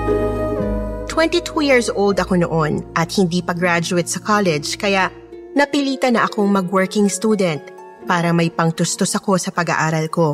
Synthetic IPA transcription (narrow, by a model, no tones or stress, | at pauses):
t̪wɛ̃nt̪it̪ʰujiɹsʔowld̪ɐko̞no̰ʔonʔɐt̪̚hɪnd̪iːpɐɡɾad͡ʒʊɛt̪̚sɐkʰalɛd͡ʒkɐjaʔ | nɐpiliːt̪ɐnɐʔɐko̞ŋmɐɡwɛɹkɪŋst̪uːd̪ɛnt̪̚ | paːɾɐmɐjpɐŋt̪ʊst̪osɐko̞sɐpɐɡa̰ʔaːɾɐlko̞